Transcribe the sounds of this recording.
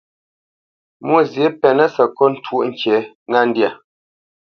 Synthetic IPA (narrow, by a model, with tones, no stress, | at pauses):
mwo˦˨zje˨˦pɛ˨nə˦sə˨kɔ˦n̩˦˨tʰwo˦ʔŋ̩˨ke˨˦ | ŋa˦n̩˦dja˨